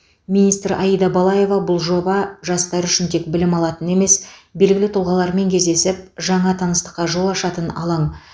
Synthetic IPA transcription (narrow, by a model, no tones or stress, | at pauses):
minijst̪ɾʔɑjijd̪ɑbɑlˠɑje̞vɑbʊlˠʒo̞bɑʒɑst̪ɑɾʏʃɪnt̪ʰe̞kbɪlɪmɑlˠɑt̪əne̞me̞sbe̞lɡʲɪlɪt̪ʰʊlˠʁɑlˠɑɾme̞ŋkʲʰe̞zd̪e̞sɪp̚ʒɑɴɑt̪ʰɑnəst̪ə̥qːɑʒo̞lˠɑʃɑt̪ənɑ̰lˠɑɴ